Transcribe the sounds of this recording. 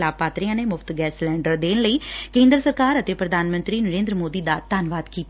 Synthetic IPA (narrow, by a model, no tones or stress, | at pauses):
laːpaːt̪ɾijãːneːmʊpʰt̪ɡɛːslɛ̃ːɳɖəɾd̪eːnləiːkẽːnd̪ɾsəɾkaːɾət̪eːpɾəd̪ʱaːnmə̃nt̪ɾiːnəɾẽːnd̪ɾəmoːd̪iːd̪aːt̪aːnʋaːd̪kiːt̪a